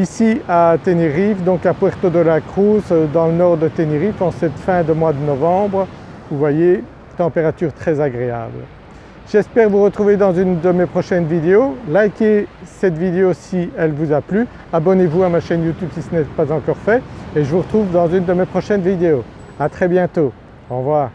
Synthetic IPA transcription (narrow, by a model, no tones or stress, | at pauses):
isiat̪eniʁifd̪ɔ̃kapwɛʁt̪od̪əlakχuzd̪ɑ̃lənɔʁd̪ət̪eniʁifɑ̃sɛt̪fɛ̃d̪əmwad̪ənɔvɑ̃bʁ | vuvwaje | t̪ɑ̃peʁat̪yʁt̪χɛzaɡʁea̰bl | ʒ̥ɛspɛʁvuʁət̪χuved̪ɑ̃zynd̪əmepχɔʃɛnvid̪eolajkʲesɛt̪vid̪eosiɛlvuzaply | abɔnevuamaʃɛnjut̪ybsisənɛpazɑ̃kɔʁfɛeʒəvuʁət̪χuvd̪ɑ̃zynd̪əmepχɔʃɛnvid̪eo | at̪χɛbjɛ̃t̪o | ɔ̃vwaːʁ